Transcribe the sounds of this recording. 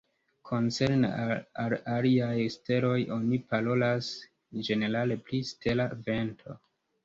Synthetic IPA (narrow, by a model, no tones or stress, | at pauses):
kʰo̞nt͡se̞ɾnḛaalaliajste̞ɾo̞jʔo̞nipaɾo̞las | d͡ʒe̞ne̞ɾale̞pliste̞lave̞ntʰo̞̰